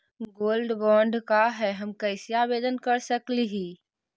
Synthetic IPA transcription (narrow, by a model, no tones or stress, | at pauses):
ɡoːlɖbɔːɳɖkaɦɛɦəmkəɪsiaːbeːd̪ənkəɾsəkliɦiː